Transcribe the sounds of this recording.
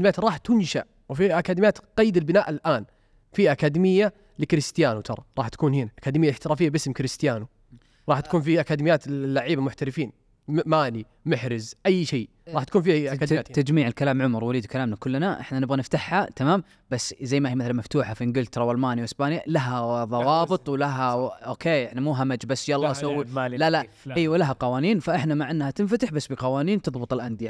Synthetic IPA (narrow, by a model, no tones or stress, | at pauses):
mɪjaːt̪ɾˤɑːħt̪ʊnʃa̰ʔ | wfiʔakad̪ɪmɪjaːt̪qɑjːd̪ɪlbɪnaːʔɪlʔaːn | fiʔakaːd̪imɪjːa | lɪkɾɪst̪ɪjaːnut̪ʰɑɾˤɑ̰ɾˤɑːħt̪ḁkuːnhiːnaʔakaːd̪ɪmɪjalɪħt̪ɪɾˤaːfɪjːabʔɪsmkɾɪst̪ɪjaːnu | ɾˤɑːħt̪ḁkuːnfiʔakaːd̪ɪmɪjːaːt̪lːaʕiːbamʊħt̪aɾɪfiːn | maːni | mʊħɾɪzʔajːʃeː | ɾˤɑːħt̪ḁkuːnfiʔat̪ad͡ʒmiːʕɪlkalaːmʕʊmɾˤwaliːd̪kalaːmnakʊlːnaʔɪ̰ħnanɪbɣanɪft̪aħhat̪amaːm | basːzajːmahiːmɪθalanmaft̪uːħafiʔɪnɡɪlt̪ɾˤɑwalmaːnjwʔɪsbaːnjalaɦaðˤɑwɑːbɨt̪ˤwlaɦaʔoːkʰeːʔɪħnamuːɦamad͡ʒbasːjalːɑsawːilala | ʔiːwlaɦaqɑwaːniːnfaʔɪħnamaʕʔɪnːhat̪ɪnfat̪ɪħbasːbiqɑwaːniːnt̪ɨðˤbɨt̪ˤɪlʔand̪ɪja